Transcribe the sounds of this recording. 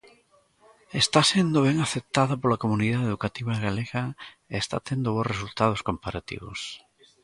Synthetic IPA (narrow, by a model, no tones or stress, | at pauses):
est̪asend̪oβ̞eŋaθep̚t̪aðapolakomuniðaðeðukat̪iβaɣaleɣa | eːst̪a̰t̪end̪oβosresult̪að̞oskompaɾat̪ḭβo̰s